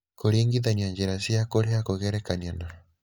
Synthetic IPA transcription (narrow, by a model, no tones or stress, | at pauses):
koɾeŋɡiðaɲiaɲd͡ʒeɾasiakoɾeakoɣɛɾɛkanianaɾa